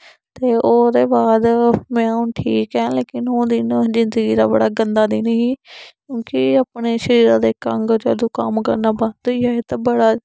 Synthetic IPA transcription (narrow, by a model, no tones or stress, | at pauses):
t̪eːʔoːd̪eːbaːd̪mɛ̃ːʊ̃ʈʰiːkɦɛ̃ːleːkɪnoːd̪ɪnzɪnd̪əɡiːd̪a̰ːbəɽaːɡənd̪aːd̪iːniɦĩːkjõːkɪaːpɳeːʃəɾiːɾãːd̪eːkəŋɡd͡ʒa̰ːd̪ũːkə̰mkə̰ɾnaːbə̃nd̪oiːaːet̪aːbəɽaː